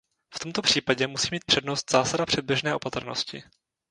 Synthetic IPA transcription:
ft̪o̞mt̪o̞pr̝̥iːpaɟɛmusiːmiːt̪̚pr̥ɛdno̞st̪z̥aːsadapr̥ɛd̪̚bjɛʒnɛːʔo̞pat̪r̩no̰scɪ̰

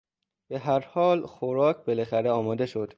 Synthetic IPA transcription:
b̥e̞ɦæɾhɒːlxoɾɒːcʰbe̞læxæɾeɒːmɒːd̪eʃo̞d̪̥

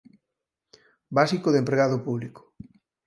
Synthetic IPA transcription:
basikoðempɾeɣaðʊpuβliko̥

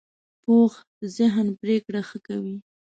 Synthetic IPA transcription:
pox | zɪɦnpɾekɽaxəkawi

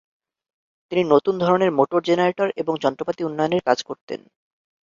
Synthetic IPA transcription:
t̪ininot̪und̪ʱɔɾoneɾmoʈoɾd͡ʑenaɾeʈaɾeboŋd͡ʑɔnt̪ɾopat̪iunːɔjoneɾkad͡ʑkoɾt̪ḛn

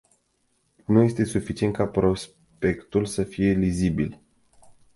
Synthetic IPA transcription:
nuje̞st̪e̞sufit͡ʃient̪kapɾo̞s | pe̞kt̪ulsəfije̞lizibil

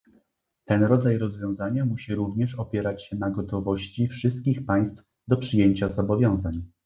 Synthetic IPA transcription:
t̪ɛnɾɔd̪zajɾɔzvʲjɔ̃w̃zaɲamuɕiɾuvɲɛʂɔpʲjɛɾat͡ɕɕɛnaɡɔt̪ɔvɔɕt͡ɕifʂɘst̪̚kʲixpaj̃st̪f | d̪ɔpʂɘjeɲt͡ɕazɔbɔvʲjɔ̃w̃zaɲ

